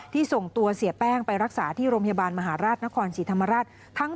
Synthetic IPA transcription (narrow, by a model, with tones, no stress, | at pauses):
t̪ʰiː˥˩so˨˩ŋt̪u˧ɐsi˨˩˦pɛː˥˩ŋpa˧jɾa˦˥k̚saː˩˦t̪ʰiː˥˩ɾoː˧mpʰja˧baː˧nma˧ɦaː˩˦ɾaː˥˩t̪̚na˦˥kʰɔː˧nsiː˩˦t̪ʰa˧mːa˧ɾaː˥˩t̪̚ʰa˦˥ŋ